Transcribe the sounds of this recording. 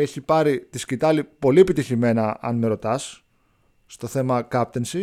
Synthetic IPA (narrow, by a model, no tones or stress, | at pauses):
eçipɐɾit̪iscit̪ɐlipo̞lie̞pit̪içime̞nɐɐ̰nmeɾo̞t̪ɐsː | t̪o̞θe̞mɐkɐp̚t̪ensi